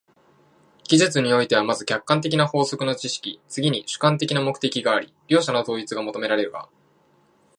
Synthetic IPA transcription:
ɡ̥ʲizɨt͡sɨɲ̟io̞it̪e̞β̞amazɨkʲakːãnt̪e̞kʲinaho̞ːso̞kɯ̟no̞t͡ɕiɕi̥kʲit͡sɨɡʲiɲ̟iɕɨ̥kãnt̪e̞kʲinamo̞kɯ̥t̪e̞kʲiɡaːɾʲḭɾʲjo̞ːɕanot̪o̞ːit͡sɨɡamo̞t̪o̞me̞ɾaɾe̞ɾɯ̟ɡa̰

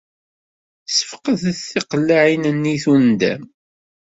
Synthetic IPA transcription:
sə̥fqəðθθɪqəlːaʕinənːiθund̪æ̰m

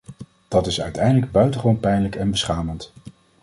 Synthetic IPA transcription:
d̥ɑtɪsœ̰ɥtɛjndələɡ̚bœɥtəχəʋownpɛjnləkɛnbəsχaːmənt

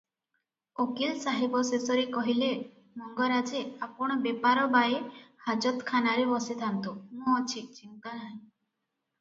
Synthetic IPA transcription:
okilsaɦebɔsesɔɾekɔɦile | mɔŋɡɔɾad͡ʒeapɔɽ̃ɔbepaɾɔbaehad͡ʒɔt̪kʰanaɾebɔset̪ʰant̪umɔt͡ʃʰik̚t͡ʃint̪anaɦẽ

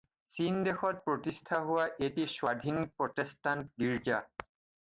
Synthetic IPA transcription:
sindexɔt̚pɹotistʰaɦʊwaʔetiswadʱinik̚pɹɔtestantɡiɹd͡ʒa

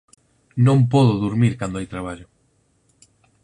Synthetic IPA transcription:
nõmpɔðʊðuɾmiɾkand̪oajt̪ɾaβ̞aʎʊ

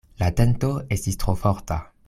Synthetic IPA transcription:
lat̪ent̪oest̪ist̪ʁofɔʁt̪a

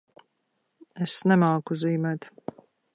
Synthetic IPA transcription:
esnɛmaːkuziːmɛt̪

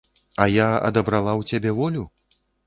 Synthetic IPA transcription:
ɐjaɐ̰d̪ɐbɾalˠawt͡sʲabʲɛvɔlʲu

